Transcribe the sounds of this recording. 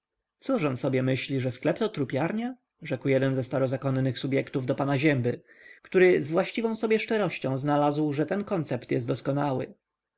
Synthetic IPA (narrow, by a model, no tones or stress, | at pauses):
t̪suʂɔnsɔbʲjɛmɘɕlʲiʐɛsklɛpt̪ɔt̪ɾupʲjaɾɲa | ʐɛkwjɛd̪ɛnzɛst̪aɾɔzakɔnnɘxsubʲjɛkt̪uvd̪ɔpanaʑɛmbɘ | kt̪uɾɘzvwaɕt͡ɕivɔ̃w̃sɔbʲjɛʂt͡ʂɛɾɔɕt͡ɕɔ̃w̃znalazwʐɛt̪ɛnkɔnt̪sɛpt̪jɛst̪d̪ɔskɔnawɘ̰